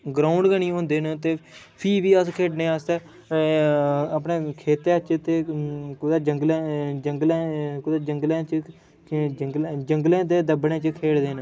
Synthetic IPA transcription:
ɡɾaːʊɳɖɡəɳiːõːnd̪eːnt̪eː | pʰiːʋiːəskʰeːɖnẽːaːst̪ɛː | əpneːkʰeːt̪eːət͡ʃt̪eːkʊd̪aːd͡ʒəŋɡled͡ʒəŋɡlẽːkʊd̪aːd͡ʒəŋɡlẽːt͡ʃə | əŋɡld͡ʒəŋɡlẽːd̪eːd̪əbɳẽːt͡ʃəkʰeːɽd̪eːn

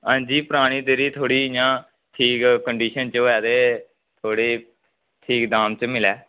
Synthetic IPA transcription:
ãːnd͡ʒiːpʊɾaːɽ̃iːd̪eɾiːt̪ʰoːɽiːjãː | ʈʰiːkkəɳɖiːʃənt͡ʃːɛːd̪eː | t̪ʰoːɽeː | ʈʰiːkd̪aːmt͡ʃmɪlɛː

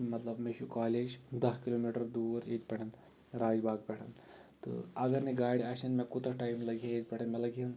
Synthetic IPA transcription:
mɐt̪lɐbmeʃukaːleːd͡ʒd̪ɐɦkiloːmiʈɐɾd̪uːɾḛːt̪pɛʈʰɐn | ɾaːd͡ʒbaːɡ̚pɛʈʰɐn | tt̪ɨ̰ɐɡɐɾniɡaːɽʲiaʃɐnmẽkut̪ɾɐʈaːjmlɐɡʱãjeːt̪̚pʲɛʈʰɐnmɛlɐɡʱiɐn

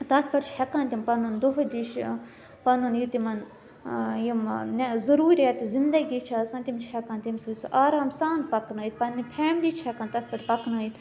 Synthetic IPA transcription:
t̪ɐt̪ʰpɐʈt͡ʃʰhɐkaːnt̪ʲimpɐnund̪oɦd̪iʃ | pɐnunjut̪imɐn | jimnezɐɾuːɾʲijɐt̪zind̪ɐɡʲiːt͡ʃʰaːsɐ̃nt̪ʲimt͡ʃʰhɐkaːnt̪ʲimsɐt͡sʰuʔaːɾaːmsãːnt̪pɐknaːit̪̚pɐnːipʰeːmlit͡ʃʰekaːnt̪ɐt̪̚ʰpɐʈʲpɐknaːit̪

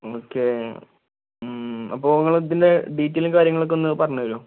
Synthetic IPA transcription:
oːkːe | ɐ̰pːo̞ːʋɐŋːɐɭɐt̪ːindeɖiːtːelmkaːɾjɐŋːɐɭok̬ːo̞nːɨpɐrɐɲːuʋɐɭoː

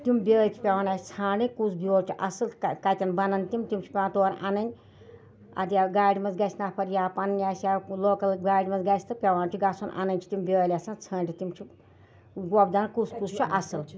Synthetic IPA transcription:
t̪imbʲeːlʲt̪ʰi̥pʲɐʋaːnaːsʲi̥t͡sʰaːnikusbʲoːɾt͡ʃʲʰiʔɐsɨlkɐt̪ʲɐnbɐnɐnt̪imt̪imt͡ʃʰi̥pʲewant̪oːnʔɐ̰nɐnʲ | ɐ̰d̪ʲjaɡaːɽʲimɐzɡɐsʰʲnapʰɐɾjaːpɐnɨnʲjaːsjaloːkɐlɡaːɽʲimɐzɡɐsʲt̪ɨpʲɐʋaːnt͡ʃʰʲiɡasʰonʔɐ̰nɐnʲt͡ʃʰi̥t̪imbʲeːlʲasant͡sʰɐːnʲʈʲit̪imt͡ʃʰi | ɡɔbd̪ɐnnkuskust͡ʃʰuʔɐsɨl

